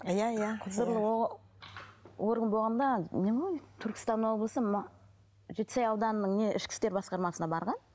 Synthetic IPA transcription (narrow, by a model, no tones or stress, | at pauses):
jajaqʰʊzd̪əɾlˠəo | woɾɡənbo̞lˠʁɑnd̪ɑnemjt̪ʰʏɾkʲɪ̥st̪ɑnːəɴwo̞blˠəsəm | ʒet̪̚ːɪ̥sɑjɑwd̪ɑnənəɴne̞ʔɪʃkʲɪ̥st̪e̞ɾbɑsqɑɾmɑsənɑbɑɾʁɑn